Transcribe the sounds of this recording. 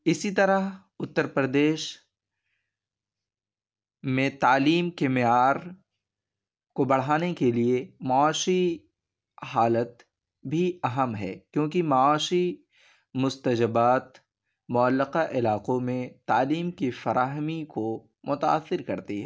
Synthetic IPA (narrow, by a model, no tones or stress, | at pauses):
ɪsit̪ɐɾəɦ | ʊt̪ːəɾpɾəd̪eːʃ | mẽt̪aːliːmkemɪjaːɾ | kobɐɽ̤aːnekeliemaaːʃi | ɦaːlət̪ | bʱiɐɦəmɦɛ̰ːkjõːkimaaːʃi | mʊst̪əd͡ʒəbaːt̪ | mʊəlːɪqaʔɪlaːqõmẽt̪aːliːmkifɐɾʔaːɦmiko | mʊt̪aa̰ːsːɪɾkɐɾt̪iɦɛː